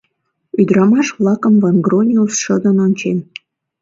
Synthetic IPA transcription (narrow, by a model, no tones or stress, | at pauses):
yd̪ɾɑmɑʃβlɑkəmvɑnɡɾonʲiusʃəd̪ənonʲt͡ɕem